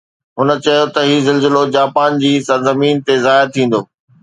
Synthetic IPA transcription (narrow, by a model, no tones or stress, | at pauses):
ɦʊnə̆t͡ɕɐjot̪ɐɦiːzɐlzɪlod͡ʑaːpaːnd͡ʑiːsɐɾzɐmiːnt̪ezaːɪɾt̪ʰĩːn̆d̪oː